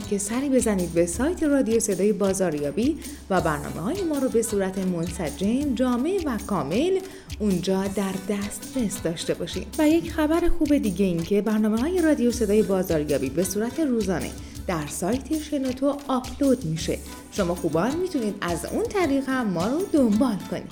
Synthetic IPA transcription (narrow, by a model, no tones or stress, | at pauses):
cʰe̞sæɾiːbe̞zæniːd̪̚be̞sɒːjt̪ʰe̞rɒd̪ijo̞se̞d̪ɒːje̞bɒːzɒːɾjɒːbi | væbæɾnɒ̰ːme̞hɒːje̞mɒːɾɔbe̞suːɾæt̪ʰe̞mo̞nsæd͡ʒe̞md͡ʒɒːme̞vækʰɒːme̞l | und͡ʒɒːd̪æɾd̪æst̪ɾe̞sd̪ɒːʃt̪e̞bɒːʃḭːmvæje̞cʰxæbæɾexuːbe̞d̪iːɟe̞iːncʰe̞bæɾnɒːme̞ɦɒːje̞rɒːd̪ijo̞se̞d̪ɒːje̞bɒːzɒːɾjɒ̰ːbibe̞suːɾæt̪ʰe̞ruːzɒːnḛ | d̪̥æɾsɒːjt̪ʰe̞ʃenot̪ʰoɒpʰlod̪miʃe̞̰ | ʃo̞mɒːxuːbɒːnmit̪ʰuniːd̪æzṵnt̪ʰæɾiːɣhæmːɒːɾod̪o̞mbɒːlkʰo̞nḭd̪̥